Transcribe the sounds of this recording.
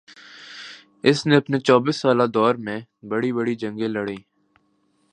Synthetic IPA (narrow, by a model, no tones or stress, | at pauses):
ɪsneəpnet͡ʃɔːbɪsːaːlad̪ɔːɾmẽbəɽibəɽid͡ʒə̃ŋɡẽləɽĩː